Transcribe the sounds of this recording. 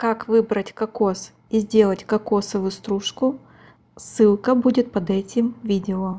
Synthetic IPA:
kakvɨbɾətʲkɐkos | izʲdʲe̞lˠətʲkɐkosəvɨst̪ɾuʂkʊ | sɨlˠkəbudʲɪt̪̚pɐd̪ɛtʲɪmvʲidʲɪo

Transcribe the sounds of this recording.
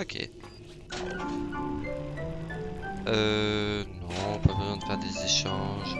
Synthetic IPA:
okʲʰḛ | ønɔ̃pabəzwɛ̃d̪əfɛʁd̪ezeʃɑ̃ʒ

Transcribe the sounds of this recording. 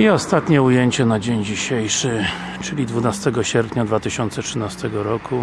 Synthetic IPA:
iɔst̪at̪ɲɛujeɲt͡ɕɛnad͡ʑeɲd͡ʑiɕejʂɘ | t͡ʂɘlʲid̪vunast̪ɛɡɔɕɛɾpɲad̪vat̪ɘɕɔnt̪sɛtʂɘnast̪ɛɡɔɾɔkʰu

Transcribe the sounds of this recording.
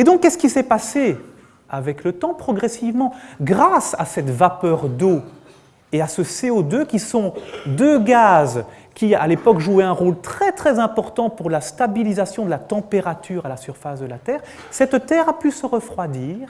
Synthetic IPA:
ed̪ɔ̃kːɛsə̥kʲisɛpase | avɛklət̪ɑ̃pχɔɡʁɛsivmɑ̃ɡʁasa̰sɛt̪vapœʁd̪o | easəseod̪økʲisɔ̃d̪øɡaz | kʲia̰lepɔkʒuɛɛ̃ʁolt̪χɛt̪χɛzɛ̃pɔʁt̪ɑ̃puʁlast̪abilizasjɔ̃d̪əlat̪ɑ̃peʁat̪yːʁalasyʁfasd̪əlat̪ɛːʁ | sɛt̪t̪ɛːʁapysəʁəfχwad̪iːʁ

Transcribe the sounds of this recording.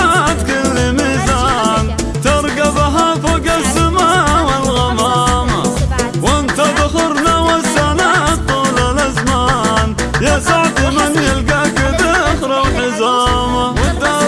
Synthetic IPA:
t̪kɪlːɪmizaːn | t̪ɑɾˤɡabaɦafʊɡasɪmawɪlɣamama | wɪnt̪abɪħʊɾnawasːanat̪ˤːuːlalazmaːn | jesaʕt̪ɪmanjɪlɡakɪd̪ɪxɾawħɪzaːmawd̪a

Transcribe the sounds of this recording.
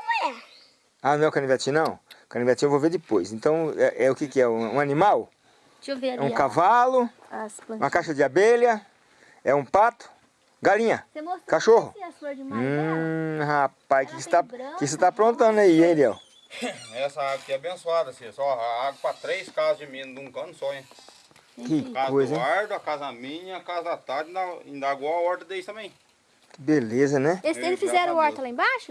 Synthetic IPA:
anɐ̃ɛwkɐ̃nĩviat͡ʃĩnɐ̃w̃kɐnĩviat͡ʃĩewvoveɾd͡ʒɪpojsẽnt̪ɐ̃w̃ɛʔɛʊkɪkɪɛ̃ũanĩmaw | ɛũkavalʊ | ũɐkaʃɐd͡ʒɪabelɐ | ɛũpat̪ʊ̥ | ɡalĩɲɐkaʃoɦʊ̃ | ɦapajkɪkset̪akɪkset̪apɾõt̪ɐ̃nʊaiẽj̃liɛ̰w | ɛsɐaɡɐkɪɛabẽsuad̪ɐsesɔaɡɐpɐt̪ɾejskazʊzd͡ʒɪmẽnʊd̪ɪũkɐ̃nʊsɔɲ̃ | kɪkazojzzẽaɾd̪ʊakazɐamĩɲɐakazɐd̪at̪aɾd͡ʒ̪̃d̪aĩd̪aɡɔ̃aɔɾd̪ɐd̪eist̪ɐ̃mẽj̃ | belezɐnɛelɪsfizɛɾɐ̃ɔɾt̪ɐlaĩbaʃʊ

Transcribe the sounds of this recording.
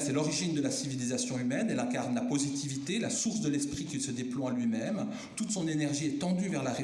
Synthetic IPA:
sɛlɔʁiʒind̪əlasivilizasjɔ̃ymɛnɛlɛ̃kaʁnlapozit̪ivit̪elasuʁs̬d̪əlɛspχikʲilsəd̪eplwaalɥimɛm | t̪ut̪sɔ̃nenɛʁʒiɛt̪ɑ̃d̪yvɛʁlaʁe

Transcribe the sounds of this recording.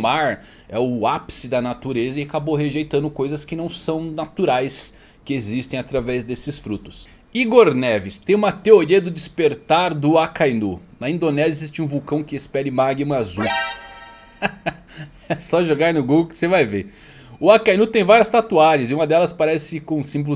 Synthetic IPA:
maɾ | ɛʊapsɪd̪ɐnat̪uɾezɐiakaboɦeʒejt̪ɐ̃nd̪ʊkojzɐskɪnɐ̃w̃sɐ̃w̃nat̪uɾajs | kɪezist̪ẽj̃at̪ɾavɛzd̪esɪsfɾut̪ʊ̥s | iɡoɾnɛvɪst̪ẽj̃ũmɐt̪eoɾiɐd̪ʊd͡ʒɪspeɾt̪aɾd̪ʊakajnunɐĩnd̪onɛzjɐezist͡ʃɪũvuwkɐ̃w̃kɪespɛlɪmaɡimɐazu | ɛsɔʒoɡaɾnʊɡu̥sevajve | ʊakajnut̪ẽj̃vaɾiɐst̪at̪uaɾɐzɪũmɐd̪ɛlɐspaɾɛsɪɪkõsĩmbl

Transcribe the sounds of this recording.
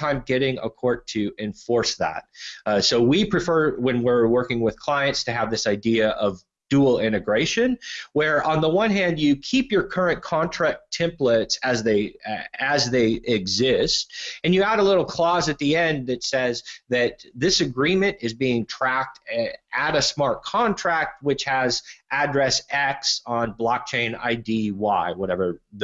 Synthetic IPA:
ãɪ̃mɡɛɾɪ̃ŋə̰kʰɔɹd̚tʰɨɨ̃ɱfɔɹsðæ̰t̚soʊwipʰɹ̥ɨfɜ˞wɨ̃nwɪɹwɜ˞kɪ̃ŋwɨð̥kʰl̥aɪɨ̃ntstʰɨəvðɪsaɪdiɨʔʌv | d̥ul̩ˠɪ̃ñɨɡɹeɪʃɨ̃nwə˞ʔə̃nðəwʌ̃nɦæ̃ndjɨkʰipjə˞kʰɜ˞ɨ̃nkʰɑ̃ntʰɹ̥æk̚tʰɛ̃mplətsɨzðeɪɨzðeɪɪɡzɪst̚ɨ̃njɨæɾəlɪɾl̩ˠkʰl̥ɔzɨt̪̚ðiɛ̃nðɨtsɛzðɨt̪̚ðɪsɨɡɹĩmɨ̃nɨzbiɪ̃ŋtʰɹ̥æk̚tɨɾɨsmɑɹt̚kʰɑ̃ntʰɹ̥æk̚t̚wɨt͡ʃhɨzʔɨdɹɛsɛksn̩blɑk̚t͡ʃʰẽɪ̃na̰ɪdiwaɪwʌɾɛvə˞

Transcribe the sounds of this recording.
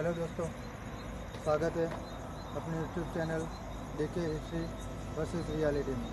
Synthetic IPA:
lod͡z̪ost̪o | sʋaɡət̪e | apnijuʈjuːb̚t͡ɕɛnel | ɖikeɦisɾi | bəsit̪ɾijaleʈin

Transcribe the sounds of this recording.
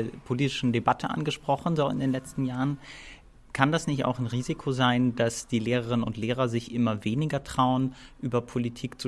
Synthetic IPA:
ɐpʰoliːtɪ̥ʃn̩debatʰəʔa̰nɡəʃpʁ̥ɔχn̩zoːɪ̰ndeːnlɛt͡stn̩jaːʁən | kʰandasnɪçta̰ʊxanʁiːzɪkʰozaɪndasd̥iːleːʁ̞əʁɪnənʊ̰ntleːʁɐzɪçʔɪmɐveːnɪɡɐtʁ̥aʊənʔyːbɐpʰolitʰiːkt͡su

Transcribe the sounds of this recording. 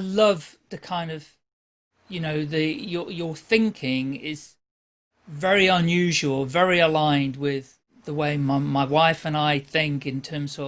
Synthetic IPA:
ɪlʌv̥tɨkʰãɪ̃ndʌv̥ | jɨnoʊðɨjə˞jə˞θɪ̃ŋkʰɪ̃ŋɪz̥ | vɛɹiə̃njʉʒwəlˠvɛɹiəlãɪ̃ndwɪð | ðəweɪmaɪmaɪwaɪfə̃naɪθɪ̃ŋkɨ̃ntʰɜ̃ːmz̥ʌ

